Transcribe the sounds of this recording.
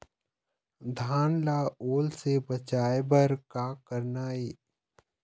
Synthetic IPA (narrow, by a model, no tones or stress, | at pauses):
d̪ʱaːnlaːoːlsebət͡ʃaːebəɾkaːkəɾnaːeː